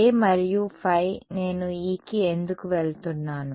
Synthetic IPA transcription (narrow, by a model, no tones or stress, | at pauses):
emɐɾijupʰɐjne̞ːnuiːkiend̪ukuʋeɭt̪unːaːnu